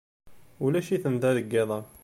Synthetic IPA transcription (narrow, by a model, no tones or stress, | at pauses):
ulæʃiθənd̪æðəɡːɪðˤɑ